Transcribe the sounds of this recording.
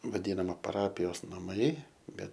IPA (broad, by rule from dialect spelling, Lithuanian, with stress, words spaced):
ʋɐˈdʲiːnɐmɐ pɐˈrɑːpʲɪjoːs nɐˈmɐɪ ˈbʲɛt